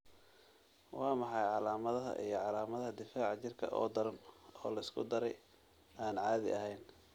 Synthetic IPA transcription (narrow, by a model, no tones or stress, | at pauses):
wɑːmɑħɑjʕɑlaːmɐðɐɦɐ̰ʔijɞʕɑlaːmɐðɐɦɐd̪ɪfaːʕɑt͡ʃɪrkʰɐ̰ʔɔ̰ːd̪ɐɾɐnɔːlɐɪskʰʊ̰d̪ɐɾɛj | aːnʕɑːðɪ̰ɐɦɛjn